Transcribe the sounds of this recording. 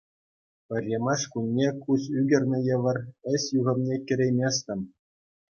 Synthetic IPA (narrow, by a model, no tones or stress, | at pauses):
pʲɘ̆rʲːemɑʂkunʲːekusyɡʲɘ̆rʲnʲɘ̆jɤ̆ʋɤ̆rɘ̆sʲjuɣɤ̆mnʲekʲɘ̆ɾʲejmʲesʲt̪ʲɤ̆m